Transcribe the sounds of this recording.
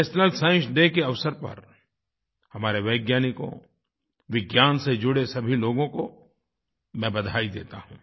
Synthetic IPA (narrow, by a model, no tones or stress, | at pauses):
snəlsãːɪ̃ʃd̪eːkeɐʋsəɾpɐ̰ɾ | hɐmaːɾeʋɛːɡjaːniko̰ | ʋɪɡjaːnsed͡ʒʊɽesɐbʱiloːɡõko | mɛ̃ːbɐd̪ʱaːid̪eːt̪aɦũː